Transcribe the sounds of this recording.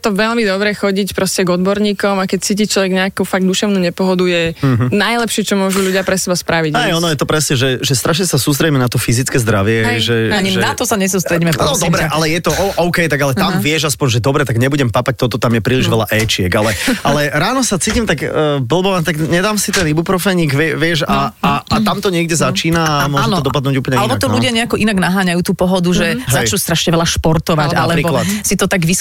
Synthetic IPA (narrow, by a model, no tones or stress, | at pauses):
t̪ɔʋɛʎmid̪ɔbɾɛxɔɟicpɾɔscɛɡɔd̪bɔɾɲiːkɔmakɛc̚t͡siːc̬it͡ʃlɔʋɛɡɲɛakufaɡ̚d̪d̪uʃɛʊnuːɲɛpɔɦɔd̪ujɛɦnajlɛpʃɪɛt͡ʃɔmʊɔʒuʎuɟɪapɾɛsɛbaspɾaʋiɟɛjɔnnɔjɛt̪ɔpɾɛsɲɛʒɛʒɛst̪ɾaʃɲɛsasuːs̬t̪ɾɛɟimɛnat̪ɔfizit͡skɛːzd̪ɾaʋɪɛɦɛjʒɛaɲiɛnat̪ɔsaɲɛs̬uːst̪ɾɛɟimɛpnɔd̪ɔbɾɛʔalɛjɛt̪ɔʔɔʔɔʊkɛjt̪aɡalɛt̪amvɪɛʃaspɔɲʒɛd̪ɔbɾɛt̪aɡɲɛbuɟɛmpapac̚t̪ɔt̪ɔt̪amjɛpɾiːliʒʋɛlaʔɛt͡ʃɪɛkalɛʔalɛɾaːnɔsat͡siːcimt̪aɡbl̩ˠbɔʋant̪aɡɲɛd̪aːmsit̪ɛnibupɾɔfɛjɲiːɡʋɪɛʋɪɛʃaaat̪amt̪ɔɲɪɛɡɟɛzat͡ʃiːnaamʊɔʒɛnt̪ɔd̪ɔɔpad̪nuːɟuːpl̩ɲɛalɛbɔt̪ɔluɟɪaɲɛakɔʔinaɡnaɦaːɲajuːt̪uːpɔɦɔd̪uʒɛɦzat͡ʃnust̪ɾaʃɲɛʋɛlaʃpɔɾt̪ɔʋaca̰lɛɾiːbklat̪sit̪ɔt̪aɡʋis